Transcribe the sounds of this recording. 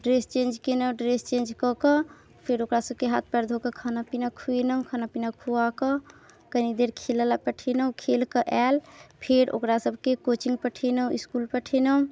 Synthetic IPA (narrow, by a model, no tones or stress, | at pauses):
ɖɾest͡ʃẽnd͡ʒkenəɖɾest͡ʃẽnd͡ʒkɔkə | pʰeɾokɾasəb̚ʱkeɦa̰t̪̚ʰpəɾd̪ʱokəkʰanapinakʰuenəũkʰanapinakʰuakə | kənid̪eɾkʰeləlapəʈʰenəũkʰelkəʔɛlpʰeɾo̰kɾasəbʱkekot͡ʃiŋɡpəʈʰenəũiskulpəʈʰenəũ